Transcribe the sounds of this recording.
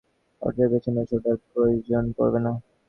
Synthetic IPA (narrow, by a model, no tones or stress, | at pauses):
ɔ̰ɾd͡ʑaɾbet͡ɕʰeneʃod̪aɾpɾojod͡ʑonko̰ɾbena